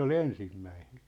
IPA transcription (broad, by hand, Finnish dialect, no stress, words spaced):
ol ensimːæine̥n̥